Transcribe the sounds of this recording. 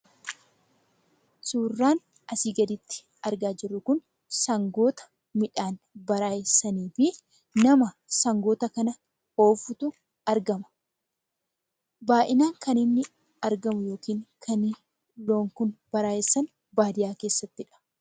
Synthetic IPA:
suːrːaːn | ɐsiːɡɐd̪ɪt̪ːɪ̥ | ɐɾɡaːd͡ʒɪrːʊkʊn | sɐŋɡoːt̪ɐ̥ | mɪᶑaːn | bɐɾaːjɪsɐniːfɪ | nɐmɐ | sɐŋɡo̞ːt̪ɐkɐnɐ | o̞ːfʊt̪ʊ | ɐɾɡɐmɐ̥ | baːʔɪnaːŋkɐnɪnːɪ | ɐɾɡɐmʊjo̞ːkiːŋkʰɐn | lo̞ːŋkʊnb̥ɐɾaːjɪsːɐn | baːd̪ɪjaːke̞ːsːɐt̪ːɪᶑɐ̥

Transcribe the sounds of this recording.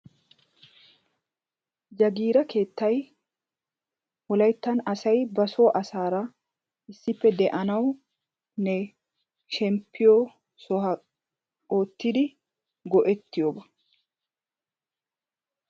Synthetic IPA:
d͡ʒɐɡiːɾɐke̞ːt̪ːɐj | wɔlɐjt̪ːɐnɐsɐjbɐso̞ːʔɐsaːɾɐ | ɪsːɪpːɛd̪ɛʔɐnɐw | nɛ | ʃɛmpʰːɪjo | sɔɦɐ | oːt̪ːɪd̪ɪ | ɡɔʔɛt̪ːɪjoːbɐ

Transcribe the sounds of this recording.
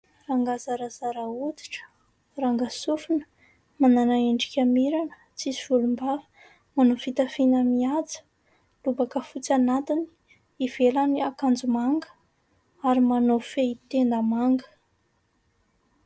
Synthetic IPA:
raŋɡazaɾazaɾaut̪i̥ʈ͡ʂə̥ | raŋɡasufunə̥ | mananaeɳɖ͡ʐi̥kʲamiɾanə̥ | t͡siziv̥ulumba | manofit̪afinəmiat͡sə̥ | lubakəfut͡sanat̪ini̥ | iv̥elaniakand͡zumaŋɡə̥ | aɾimanofeit̪end̪əmaŋɡə̥

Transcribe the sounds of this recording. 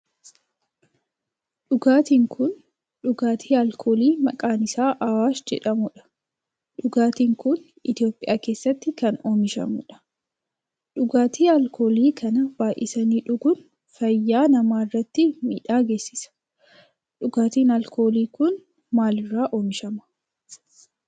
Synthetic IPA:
ᶑʊɡaːt̪iːŋkʰʊn | ᶑʊɡaːt̪ʰiːɐlkʰoːliːmɐ̰kʼaːnɪsaːʔɐwaːsd͡ʒɛ̰ᶑɐmʊᶑɐ̥ | ᶑʊɡaːt̪iːŋkʊn | ɪt̪jo̞ːpʼɪjaːke̞ːsːɐt̪ːɪkɐnoːmɪʃɐ̰mʊ̰ᶑɐ̥ | ᶑʊɡaːt̪ʰiːɐlkʰo̞ːliːkʰɐnɐb̥aːʔɪsɐniːᶑʊɡʊn | fɐjːaːnɐmaːɪrːɐt̪ːɪmḭːᶑaːɡe̞ːsːɪsɐ̥ | ᶑʊɡaːt̪iːnɐlko̞ːliːkʊn | maːlɪrːaːʔoːmɪʃɐmɐ̥

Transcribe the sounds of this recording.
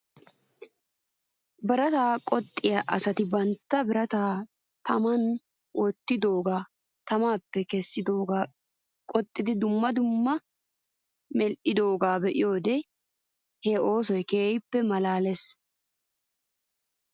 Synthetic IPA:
bɐɾɐt̪aːkʼɔt̪ʼːɪjaʔɐsɐt̪ɪbɐnt̪ːɐbɪɾɐt̪aː | t̪ʰɐmɐn | wɔt̪ːɪd̪o̞ːɡaː | t̪ɐmaːpːɛkɛsːɪd̪oːɡa | kʼɔt̪ʼːɪd̪ɪd̪ʊmːɐd̪ʊmːɐ | mɛlʔɪd̪o̞ːɡaːbɛʔɪ̰jo̞ːd̪ɛ | hɛo̞ːsɔjkeːjpːɛmɐlaːlɛs

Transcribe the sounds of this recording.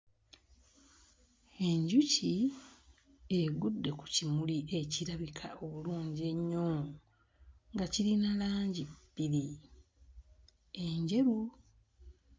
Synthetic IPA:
e̞ɲɟuci | eɡudːe̞ku̥cimuliʔe̞ciɾaβikʰa̰o̞βuluːɲɟie̞ɲːoːmu | ŋɡaciɾinalaːɲɟibːiɾi | eɲɟe̞ɾu

